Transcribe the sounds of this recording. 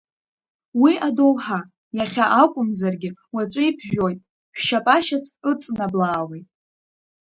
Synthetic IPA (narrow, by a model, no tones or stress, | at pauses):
wiʔado̞wħa | jaχʲaʔakʷʼʊmzarɡʲɪwat͡ʃʷʼaipʰʒᶣo̞jtʼ | ħʷᶣʃapʼaʃat͡sʰɨt͡sʼnablaːwejtʼ